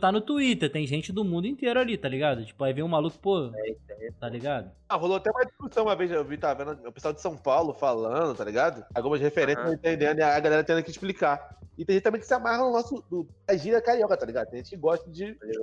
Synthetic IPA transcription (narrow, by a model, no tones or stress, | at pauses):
t̪anʊt̪uit̪eɾt̪ẽj̃ʒẽnt͡ʃɪd̪ʊmũd̪ʊĩt̪eɾʊalit̪aliɡad̪ʊt͡ʃi̥pʊajvẽũmalukʊ̥poet̪ẽt̪aliɡad̪ʊãɦoloat̪ɛũmɐd͡ʒiʃkusɐ̃w̃ũmɐvejzʒewvit̪avẽnd̪ʊʊpesuawd͡ʒɪ̥sɐ̃w̃pawlʊfalɐ̃d̪ʊt̪aliɡad̪ʊawɡũmɐʃhefeɾẽsɐ̃ẽt̪ẽnd̪ẽd̪ʊaaɡalɛɾɐt̪ẽd̪kɪɪʃplikaɪt̪ẽɦẽt͡ʃt̪ɐ̃mẽj̃kɪsɪamaɦɐnʊnɔsʊd̪ʊd̪aʒiɾɐkaɾiɔkɐt̪aliɡad̪t̪ẽʒẽt͡ʃɪkɪɡɔʃt̪ɐd͡ʒɪaʒi